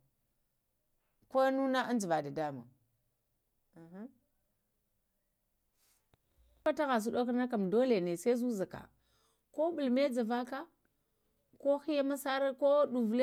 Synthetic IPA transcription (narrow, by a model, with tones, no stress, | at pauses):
ko˦nu˦na˦ʔa˦n˦d͡ʒi˨va˨da˨da˦ma̰˨ | a˨ɦa˦ | a˦ta˦ɣa˨s̬u˦ɗo˦kna˦ka˨mdo˦le˨ne˨se˦zu˦za˨ka̰˨ | ko˦ɓu˨lme˦d͡za˨va˦ka˦ | ko˦xi˦ja˦ma˦sa˦ɾa˦ko˦ɗu˨vle˦